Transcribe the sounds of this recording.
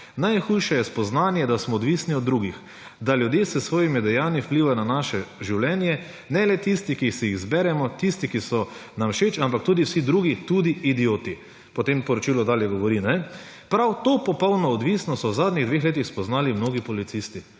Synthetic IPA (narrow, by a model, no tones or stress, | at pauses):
najxujʃɛjɛspɔznaːnjɛd̪asmɔːd̪ʋisniɔd̪ːɾuːɡix | d̪aljud̪jeːsəsʋoːjimid̪ɛjaːniwpliːʋajɔnanaʃɛʒiwlɛnjɛ | nɛlɛt̪ist̪ikixsijiɣzbɛɾɛmɔt̪ist̪ikisɔnamʃet͡ʃampak̚t̪uːd̪iwsid̪ɾuːɡit̪ud̪iid̪ijoːt̪i | pɔt̪empɔɾɔt͡ʃiːlɔd̪aːljɛɡɔʋɔɾinɛ | pɾawt̪opɔpɔwnɔːd̪ʋisnɔsɔwzaːd̪nʲiɣd̪ʋeːxleːt̪ixspɔznaːlimnoːɡipɔlit̪sist̪i